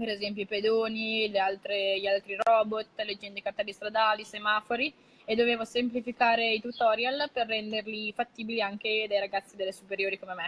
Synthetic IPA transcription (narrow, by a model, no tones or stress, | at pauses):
peɾezɛmp̬joiped̪oːnilealt̪ɾeʎialt̪ɾiɾɔːbot̪ːled͡ʒɛnd̪ekaɾt̪abist̪ɾad̪aːlisemaːfoɾi | ed̪ːoveːvosemplifikaːɾeit̪ut̪ɔɾjalperːɛnd̪erlifat̪ːiːbiliaŋk̟ed̪ajɾaɡat̪sːid̪ɛlːesupeɾjoːɾikomemɛ